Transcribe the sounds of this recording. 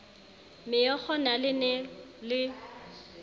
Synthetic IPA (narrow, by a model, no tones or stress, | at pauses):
mɪjɔk͡xʰɔnalɪnɛlɪ